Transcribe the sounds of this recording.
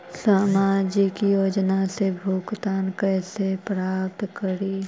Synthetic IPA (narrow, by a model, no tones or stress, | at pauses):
saːmaːd͡ʒikijoːd͡ʒnasebʱuːɡt̪aːnkɛːsepɾaːpt̪kəɾiː